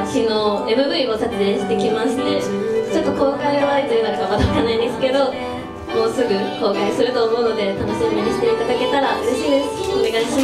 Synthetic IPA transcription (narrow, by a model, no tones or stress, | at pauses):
t͡ɕinoe̞mɯ̟bɯ̟io̞sat͡sɨeɕi̥t̪e̞kʲimaɕi̥t̪e̞t͡ɕo̞t̪ːoko̞ːkaiβait̪ɨɯ̟d̪akeamad̪aakanːaĩnd̪esɨ̥ke̞d̪o̞ | mo̞ːsɨɡɯ̟ho̞ːkasɨɾɯ̟t̪o̞ːmo̞ɯ̟no̞d̪e̞t̪ano̞ɕiːk̪ikaɲʲiɕi̥t̪e̞it̪ad̪ake̞t̪aɾaʔɯ̟ɾeɕinɯone̞ɡaiɕi